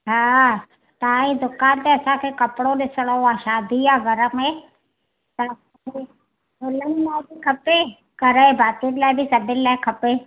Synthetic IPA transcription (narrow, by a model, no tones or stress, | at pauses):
ɦaː | t̪ãĩd̪ʊkaːnt̪eɐsãkʰekɐpɽoɗɪsəɽ̃ooaːʃaːd̪ʱijaːɡʱɐɾəmẽ | t̪ɐsãke | ʊləɦimabikʰɐpe | kɐɾebʱaːt̪iənlaːɪbʱɪsɐdʱɪnɪlaːɪkʰɐpe